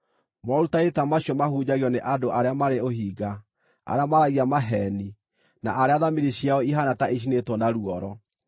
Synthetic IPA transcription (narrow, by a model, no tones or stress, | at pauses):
mɔɾutaetamaɕjɔmahuːd͡ʑaɣiɔneʔadoʔaɾeamaɾeoɦiːɡa | a̰ɾeamaɾaɣiamaɦɛni | naʔaɾeaðamiɾiɕjaɔiɦanataiɕ̬inetɔnaɾuɔɾɔ